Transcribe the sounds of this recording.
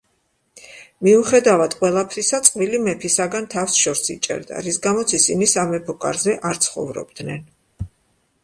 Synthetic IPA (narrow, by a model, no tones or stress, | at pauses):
miuχɛd̪avad̪̥qʼwɛlˠapʰɾisat̪sʼqʼvilimɛpʰisaɡant̪ʰafsʃɔɾsḭt͡ʃʼɛ̰ɾd̪a̰ɾisɡamɔt̪sʰisinisamɛpʰɔkʼa̰ɾzɛʔaɾt̪sʰχɔ̰vɾɔ̰bd̪nɛn